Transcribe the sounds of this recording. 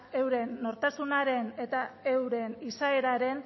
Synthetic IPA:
e̞wɾe̞nːo̞ɾt̪asunaɾe̞ne̞t̪ae̞wɾe̞nisae̞ɾaɾe̞n

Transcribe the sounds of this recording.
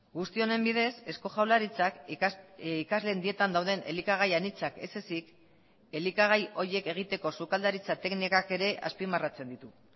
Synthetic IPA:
ɡust̪io̞ne̞mbiðe̞se̞sko̞ʝawlaɾit͡sak | ikazle̞nd̪ie̞t̪and̪awð̞e̞ne̞̰likaɣ̞ajanit͡sake̞̰se̞sik | e̞likaɣajo̞ɾje̞ke̞ɣ̞it̪e̞ko̞sukald̪aɾit͡sat̪eknikake̞ɾe̞ʔa̰spimarat͡se̞nd̪it̪u

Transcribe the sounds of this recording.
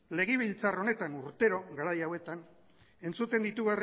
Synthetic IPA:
le̞ɣeβ̞ilt͡saro̞ne̞t̪anuɾt̪e̞ɾo̞ɣaɾajawe̞t̪an | e̞nt͡sut̪e̞nd̪it̪uɣar

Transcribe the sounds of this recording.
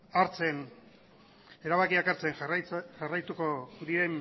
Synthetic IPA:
aɾt͡se̞n | e̞ɾaβakiakaɾt͡seŋʝarajt̪uko̞d̪iɾe̞n

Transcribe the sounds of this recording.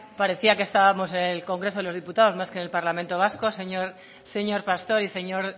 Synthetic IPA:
paɾe̞θiakest̪aβamo̞s̬enelko̞ŋɡɾeso̞ð̞elo̞zðiput̪aðo̞zmaskenelpaɾlamẽnt̪o̞β̞asko̞seɲoɾ | se̞ɲo̞ɾpast̪o̞ɾise̞ɲo̞ɾ

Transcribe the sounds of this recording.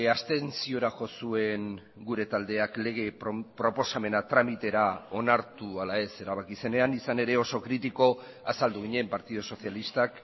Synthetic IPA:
ast̪e̞nsio̞ɾaʝo̞sue̞ŋ | ɡuɾe̞t̪ald̪e̞akle̞ɣ̞e̞pɾo̞po̞same̞nat̪ɾamit̪e̞ɾao̞naɾt̪ualae̞se̞ɾaβ̞akise̞ne̞anisane̞ɾe̞o̞so̞kɾit̪iko̞ | asald̪uɣ̞iɲe̞mpaɾt̪iðoso̞θjalist̪ak

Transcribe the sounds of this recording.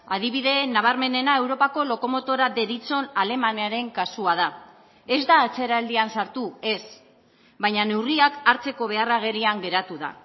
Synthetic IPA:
að̞iβiðe̞naβ̞aɾme̞ne̞naewɾo̞pako̞lo̞ko̞mo̞t̪o̞ɾade̞ɾit͡so̞nale̞maneaɾe̞ŋkasuað̞a | e̞zd̪aːt͡se̞ɾald̪iansaɾt̪ue̞s | βajɲane̞wriakaɾt͡se̞ko̞β̞e̞araɣ̞e̞ɾiaŋɡe̞ɾat̪uða̰

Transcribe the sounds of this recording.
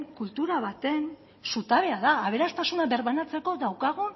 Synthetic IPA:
ŋkult̪uɾaβat̪e̞n | sut̪aβe̞aðaːβe̞ɾast̪asunaβe̞ɾβanat͡se̞ko̞ðawkaɣ̞u

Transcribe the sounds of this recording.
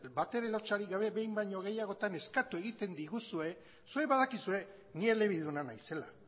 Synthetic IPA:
bat̪e̞ɾelo̞t͡ʃaɾiɣaβe̞βe̞jmbajɲo̞ɣ̞e̞jaɣo̞t̪ane̞skat̪ue̞ɣit̪e̞nd̪iɣusue̞ | sue̞βaðakisue̞ | nie̞le̞β̞iðunanajse̞la̰

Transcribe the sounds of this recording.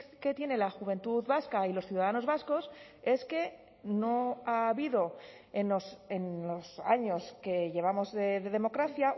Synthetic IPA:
ke̞t̪je̞ne̞laxuβe̞nt̪uðβaskailo̞sθjuðaðano̞zβasko̞s | e̞ske̞ | no̞aːβiðo̞ | enose̞nlo̞sa̰ɲo̞ske̞ʝe̞β̞amo̞zðeðe̞ðe̞mo̞kɾaθja

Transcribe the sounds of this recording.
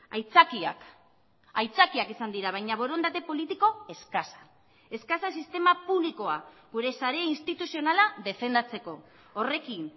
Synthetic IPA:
ajt͡sakia̰k | ajt͡sakiakisand̪iɾaβ̞ajɲaβ̞o̞ɾo̞nd̪at̪e̞po̞lit̪iko̞e̞skasḁ | e̞skasasist̪e̞mapuβliko̞aɡ̥uɾe̞saɾe̞ainst̪it̪usio̞nalaðe̞fe̞nd̪at͡se̞ko̞ː | re̞kin

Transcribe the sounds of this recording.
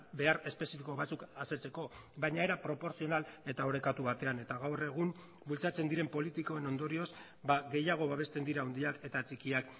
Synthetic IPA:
be̞aɾe̞spe̞sifiko̞βat͡sukase̞t͡se̞ko̞βajɲae̞ɾapɾo̞po̞ɾsio̞nale̞t̪ao̞ɾe̞kat̪uβat̪e̞ane̞t̪aɣawre̞ɣ̞um | bult͡sat͡se̞nd̪iɾe̞mpo̞lit̪iko̞e̞no̞nd̪o̞ɾio̞z | baɣe̞jaɣ̞o̞βaβ̞e̞st̪e̞nd̪iɾaund̪iake̞t̪at͡sikiak

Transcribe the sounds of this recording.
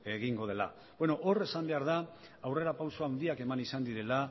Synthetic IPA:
e̞ɣiŋɡo̞ð̞ela̰ | bwe̞no̞ʔore̞sambe̞aɾða | awre̞ɾapawsoawnd̪iake̞manisand̪iɾe̞la

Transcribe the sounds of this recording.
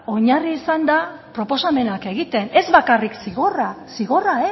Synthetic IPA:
o̞ɲariːsand̪apɾo̞po̞same̞nake̞ɣ̞it̪e̞ne̞zβakariksiɣo̞rasiɣo̞rae

